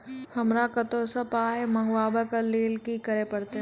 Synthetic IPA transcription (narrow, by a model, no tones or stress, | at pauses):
hɐmɾakɐt̪oːsəpaːemɐ̃ŋɡwaːbakɐleːlkikɐɾepɐɽt̪e